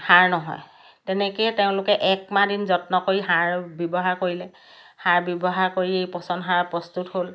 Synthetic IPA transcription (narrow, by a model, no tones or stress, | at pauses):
haɹnɔɦɔ̰j | tɛnɛkojteʊ̃lʊkɛʔɛkmãdinzɔtnɔkoɹiɦaɹbjɔbɔɦaɹkoɹilɛ | haɹbjɔbɔɦaɹkoɹiejpɔsɔndɦaɹpɹɔstuthol